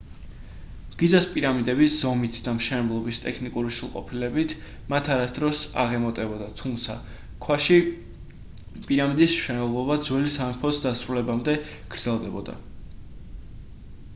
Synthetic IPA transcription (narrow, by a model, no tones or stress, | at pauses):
ɡ̥id̪zaspʼiɾamid̪ɛbisz̥ɔmit̪ʰd̪amʃɛnɛblˠɔbist̪ʼɛkʰnikʼuɾiʃulˠqʼɔ̰pʰilɛbit̪ʰ | mat̪ʰaɾasd̪ɾɔsa̰ʁɛmɔt̪ʼɛbɔd̪at̪ʰumt̪sʰa̰ | kʰwaʃi | pʼiɾamid̪ismʃɛnɛblˠɔbad̪zwɛlisamɛpʰɔsd̪asɾulɛbamd̪ɛ | ɡ̥ɾd̪zɛlˠd̪ɛbɔd̪a̰